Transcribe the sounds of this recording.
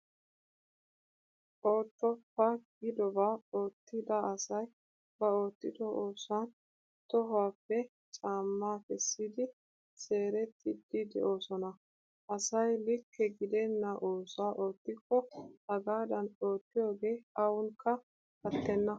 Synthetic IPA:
ʔoːt̪ːɔpːɐɡɪd̪ɔbaːo̞ːt̪ːɪd̪ɐɐsɐj | b̥ɐo̞ːt̪ːɪd̪ɔʔoːsan | t̪ɔɦaːpːɛ | t͡ʃʼaːmːaːkɛsːiːd̪ɪ | se̞ːɾɛt̪ːɪd̪ɪd̪ɛ̰ʔo̞ːsɔnɐ | ʔɐsɐjlɪkːɛɡɪd̪ɛnːɐʔoːsaːʔo̞ːt̪ːɪkːɔɐɡaːd̪ɐno̞ːt̪ːɪjo̞ːɡe̞ːɐwʊŋkːɐ | ɐt̪ːɛnːɐ

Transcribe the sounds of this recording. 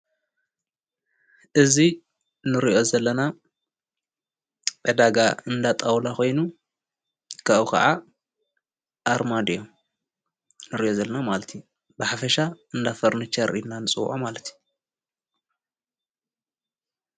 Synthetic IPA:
ʔɨzi | nɨɾiʔo̞zɐlːɐna | bɐd̪aɡaɨnd̪at̪ʼawlakʰo̞jnu | kʰaʔukʰɐ̰ʕa | ʔaɾmad̪ijo | nɨɾiʔo̞zɐlːɐnamalɐt̪ʰi | bɨħafɐʃaɨnd̪afɐɾnɨt͡ʃʰɐɾʔinːanɨt͡sʼɨwʕomalɐt̪ʰju

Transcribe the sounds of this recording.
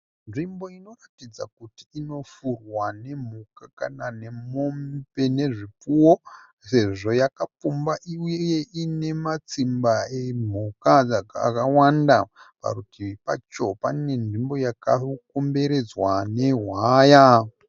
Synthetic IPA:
nʐimbo̞ino̞ratid͡za̰kutiino̞furwane̞m̤ukakanane̞mombe̞ne̞ʐip͡fuwo | se̞ʐo̞jakap͡fumbaʔiujeje̞ʔine̞mat͡simbaem̤ukad͡zaka̰kawanda | pa̰ɾutipa̰t͡ʃo̞panine̞nʐimbo̞jakakombe̞ɾe̞d͡zwane̞ɦwaːja

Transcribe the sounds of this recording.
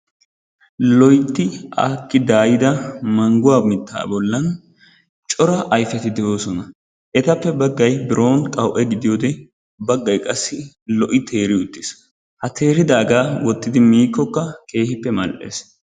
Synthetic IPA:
lɔjt̪ːɪaːkːɪd̪aːjɪd̪ɐmɐŋɡʊwaːmɪt̪ʰːa̰ːbɔlːɐn | t͡ʃʼɔɾɐʔɐjfɛt̪ɪd̪ɛwoːsɔnɐ | ʔɛt̪ɐpːɛbɐɡːɐjbɪɾo̞ːnkʼɐwʔɛɡɪd̪ɪjoːd̪ɛ | bɐɡːɐjkʼɐsːɪ | lɔʔɪt̪ʰe̞ːɾɪʊt̪ːɪs | hɐt̪ʰe̞ːɾɪd̪aːɡaːwɔt̪ːɪd̪ɪmiːkːɔkːɐkʰe̞ːhɪpːɛmɐ̰lʔḛːs

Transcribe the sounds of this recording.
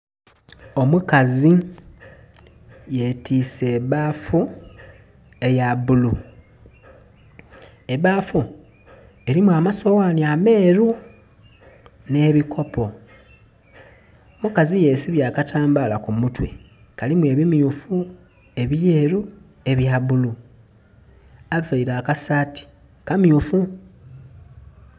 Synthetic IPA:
o̞mukazi | je̞tiːseːβaːfu | e̞jaβulu | e̞βaːfu | e̞ɾimwamaso̞waːniame̞ːɾu | ne̞ːβikʰo̞pʰo̞ | mukazije̞siβjaːkatʰaːmbalakumutwe̞̰ | kalimwe̞ːβimjufu | e̞βje̞ːɾu | e̞βjaβulu | aveiɾaːkasati̥ | kamjufu

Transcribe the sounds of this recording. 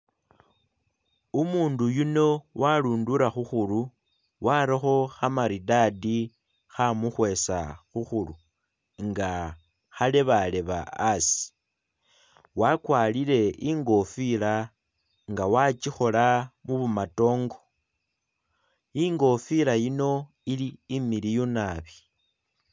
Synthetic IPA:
umuːndujuno̞waluːnduɾaxuxulu | waɾixo̞xamaɾidadi | xamuxwe̞sa̰xuxulu | ŋɡa | xaleβale̞βa̰ːsi̥ | wakwalile̞ʔiŋɡo̞fila | ŋɡawat͡ʃixo̞lamuβumato̞ːŋɡo | iŋɡo̞filajino̞ | iliːmilijunaβi

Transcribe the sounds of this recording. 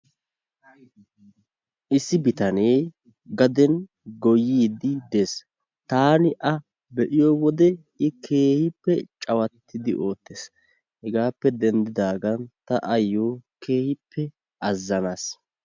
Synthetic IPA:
ʔɪsːɪbɪt̪ɐne̞ː | ɡɐd̪ɛn | ɡɔjːiːd̪ɪd̪e̞ːs | t̪aːnɪʔɐ | bɛʔɪjowɔd̪ɛ | ɪkʰe̞ːhɪpːɛt͡ʃʼɐwɐt̪ʰːɪd̪ɪʔo̞ːt̪ːeːs | hɛɡaːpːɛd̪ɛnd̪ɪd̪aːɡɐnt̪ɐʔɐjːoːkeːhɪpʰːɛ | ʔɐzːɐnaːs

